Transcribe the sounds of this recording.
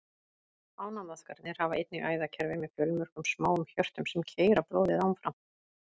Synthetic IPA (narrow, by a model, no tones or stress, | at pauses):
aːwnamaskaɾt̪nɪɾ̥havaʔejt̪̚nɪɣʔaːjðacʰɛɾvɪmɛðfjœlmʏr̥kʏmsmaːwʏmçœr̥t̪ʏmsɛmcʰeːjɾapɾoːwðɪðawmfɾam